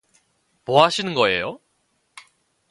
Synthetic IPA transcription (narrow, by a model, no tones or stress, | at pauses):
moɦaɕʰinɯnɡʌe̞jo